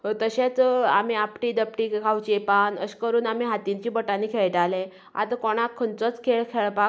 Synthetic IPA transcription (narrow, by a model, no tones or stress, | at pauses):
t̪əɕẽt͡sa̰m̤iapʈid̪əpʈikʰawt͡ɕepanə̰ɕkəɾuːnam̤iɦat̪iɲt͡ɕiːbəʈaniːkʰeɭʈalẽ | a̰t̪kɔɽ̃akʰːənt͡sət͡skʰeɭkʰeɭpak